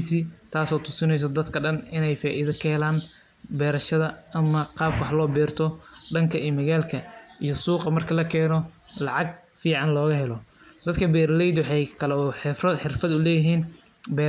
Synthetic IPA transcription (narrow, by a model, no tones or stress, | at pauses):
siːt̪ʰaːsɔːt̪ʰʊsɪnɛjs̬ɔd̪ɐd̪kʰɐɖɐnɪnɛjfaːʔiðɐkʰɐhɛlaːn | bɛːɾɐʃɐðɐɐmɐqɑːb̚kʰwʊħlɔːbɛːrt̪ʰɔɖɐŋkʰɐʔijmɐɣaːlkʰɐʔijɔsuːqɑmɐrkʰɐlɐkʰɛːnɔlɑʕɑɡ̚ | fiːʕɑnlɔːɣɐɦɛlɔ | d̪̥ɐd̪kʰɐbɛːɾɐlɛjd̪wħɛjkʰɐlɛɔːħħɪrfɐd̪ʊlɛːjɪɦiːn | bɛː